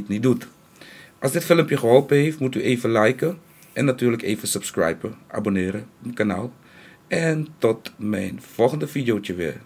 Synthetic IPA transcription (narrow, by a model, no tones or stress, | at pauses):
tnidut | ʔɑlˠsdɪtfɪləmpjəχəɦɔlˠpəɦejftmutyʔeːvəlɛjkə | ʔɛnːatyːɹləkeːvəsəpskrɛ̰jpəʔa̰bonɪːɾəɔpkanaːlˠ | ʔɛntɔtmɛjnfɔlˠχəndəfidjowt͡ʃəʋɪ̰ːɹ